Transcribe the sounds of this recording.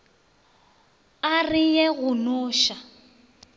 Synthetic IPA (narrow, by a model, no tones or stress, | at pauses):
arɪjɛɣʊnʊːʃa